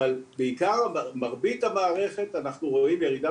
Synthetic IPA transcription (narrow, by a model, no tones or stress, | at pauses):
albeikaʁaamaʁbitamaːʁe̞χe̞tanaχnuʁo̞imjeʁida